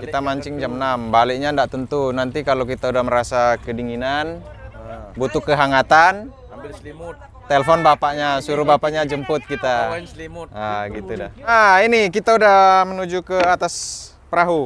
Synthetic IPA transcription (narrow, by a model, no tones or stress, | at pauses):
kit̪amaɲt͡ʃɪŋd͡ʒamnambalɪk̚ɲandaʔt̪ənt̪unant̪ikalokit̪audahməɾasakədiŋinan | but̪ʊkːəɦaŋat̪an | t̪elfɔnbapaʔɲasuɾubapaʔɲad͡ʒəmpʊt̪̚kit̪a | aɡit̪udaainikit̪audamənud͡ʒukəat̪as | pəɾaɦu